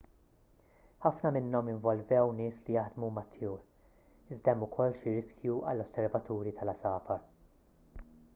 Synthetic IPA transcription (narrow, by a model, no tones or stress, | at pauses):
ħɐfnɐmɪnːɔmɪɱvɔlvɛwnɪːslijɐħd̪mumɐt̪ːjuːɾ | ɪzd̪ɛmʊkʰɔlːʃiɾɪskjuʔɐ̰lːɔsːɛɾvɐt̪uːɾit̪ʰɐlɐsɐːfɐɾ